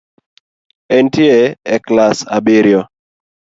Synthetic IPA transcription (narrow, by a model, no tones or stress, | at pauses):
ɛntjeɛklasa̰bɪɾjɔ